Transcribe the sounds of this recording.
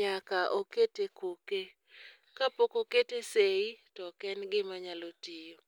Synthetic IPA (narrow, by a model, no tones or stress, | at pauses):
akaʔoketekoke | kapokoketeseitɔkɛnɡɪmaɲalotijo